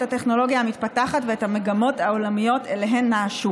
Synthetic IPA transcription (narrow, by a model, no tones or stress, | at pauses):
tate̞χno̞lo̞ɡijaːmitpataχatveethame̞ɡamo̞thao̞lamijo̞teleɦe̞nːaːʃu